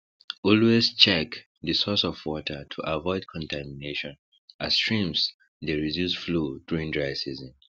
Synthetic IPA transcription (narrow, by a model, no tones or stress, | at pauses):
ɔlwezt͡ʃɛk | ðɨsɔsɔvwɔtʰətʰuʔavɔɪd̚kʰɔ̃ntʰamineʃɔ̃n | astɹĩms | ðeɹidjusfluduɹĩŋdɹaɪsizɔ̃m